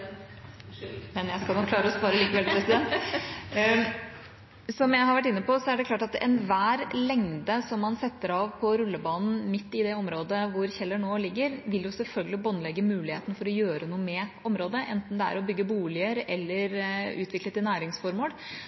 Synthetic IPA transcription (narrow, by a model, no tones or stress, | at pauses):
mɛnjæɪskɑlnɔkʰːlɑːɾəɔsʋɑːɾəliːkəʋɛlpʰɾɛsɪd̪ɛnt̪ | sɔmjæɪhɑɾʋæʈːɪnːəpɔsɔæɖɛkʰlɑːʈɑt̪ɛ̰nʋæːɾlɛŋd̪əsɔmːɑnsɛt̪ːəɾɑʋpʰɔɾʉlːəbɑːnn̩mɪt̪ːɪd̪ɛɔmɾoːd̪əʋʊɾçɛlːəɳoːlɪɡːəɾʋɪljʊsɛlfœlɡəlɪbɔnlɛɡːəmʉːlɪhḛːt̪ənəfɔɾɔjøːɾənuːəmɛɔmɾoːd̪əʔɛnt̪n̩d̪ɛæ̰ɾɔbʏɡːəbuːlɪəɾɛlːəɾʉːt̪ʰʋɪklət̪ɪnæːɾɪŋsfɔɾmuːl